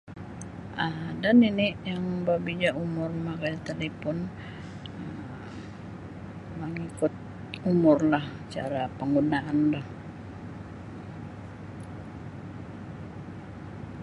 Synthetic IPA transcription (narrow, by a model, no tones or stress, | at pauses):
ʔəmdaninijaŋbabid͡ʒaumʊrmakajit̪alepɔn | ə | məŋikʊt̪̚ | umʊrlah | t͡ʃa̰ɾapəŋɡunaandɔh